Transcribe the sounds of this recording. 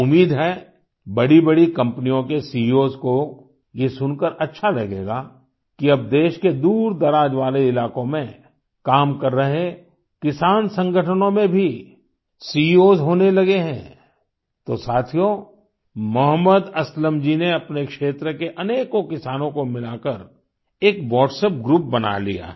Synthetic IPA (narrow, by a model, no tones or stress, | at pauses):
ʊmiːd̪ɦɛː | bɐɽibɐɽikɐ̃mpnijõkesiːoːzko | jesʊnkəɾɐtːʃʰalɐɡḛːɡaː | kiɐb̚d̪eːʃked̪uːɾd̪ɐɾaːd͡ʒʋaːleɪlaːkõmẽ | kaːmkɐɾːɐɦẽ | kɪsaːnsə̃ŋɡʱəʈʰənõmẽbʱi | sioːzɦoːnelɐɡeɦɛ̃ː | t̪osaːt̪ʰijo | mʊɦəməd̪ɐsləmd͡ʒineɐpnekʃeːt̪ɾəkeʔɐneːkokɪsaːnõkomɪlaːkəɾ | eːkʋɔːɖseːp̚ɡɾuːp̚bɐna̰lḭja̰ː